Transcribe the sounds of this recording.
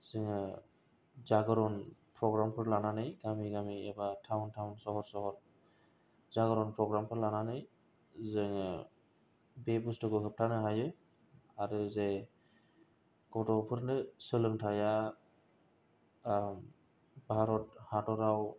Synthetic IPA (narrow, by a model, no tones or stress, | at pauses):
zɯŋɯ | zaɡɔɾɔnpʰɾɔɡɾampʰɯɾlananɯjɡamiɡamiɛbatʰawntʰawnsɔɦɔɾsɔɦɔɾ | zaɡɔɾɔnpʰɾɔɡɾampʰɯɾlananɯj | zɯŋ | bebustɯɡɔkʰɯp̚tʰanɯɦajɯ | aɾɯze | ɡ̥ɔtɔpʰɯɾnɯsɯlɯmtʰaja | m | bʱaɾɔt̚hatɔɾaw